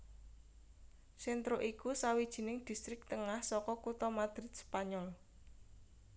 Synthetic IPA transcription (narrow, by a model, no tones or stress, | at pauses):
sɛnt̪ɾoʔikusawid̥ʒ̥i̤nɪŋd̪̥i̤st̪ɾɪk̚t̪əŋahsɔkɔkut̪ɔmad̪̥ɾɪt̪̚spaɲɔl